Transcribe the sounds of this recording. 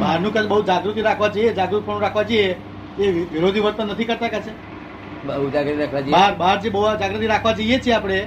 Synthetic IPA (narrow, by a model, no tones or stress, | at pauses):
baɾnũkət͡ʃbəɦud͡ʒaɡɾut̪iɾakʰʋad͡ʒojed͡ʒaɡɾut̪ipəɳnũɾakʰʋad͡ʒəje | eʋiɾod̪ʱiʋəɾt̪ənət̪ʰikəɾt̪akət͡ʃʰe | bəɦud͡ʒaɡɾut̪iɾakʰʋad͡ʒbaɾbaɾt͡ʃebəɦuad͡ʒaɡɾut̪iɾakʰʋad͡ʒəijet͡ʃʰieapɽ̃e